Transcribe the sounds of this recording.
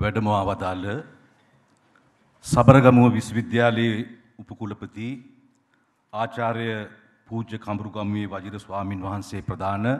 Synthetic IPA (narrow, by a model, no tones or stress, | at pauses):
ʋæɖəmɐaːʋad̪aːlə | sabəɾəɡamuʋəʋisʋid̪jaːleje | upəkuləpət̪i | aːt͡ʃaːɾjə | puːd͡ʒəkʰambɾuɡamujeʋɐd͡ʒiɾəsʋaːminʋaɦanseːprɐd̪ʱaːnə